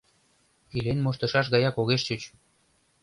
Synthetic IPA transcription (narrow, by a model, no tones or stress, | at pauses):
ilenmoʃt̪ɤ̆ʃɑʃ̬ɣɑjɑkoɣeʃt͡ɕət͡ɕ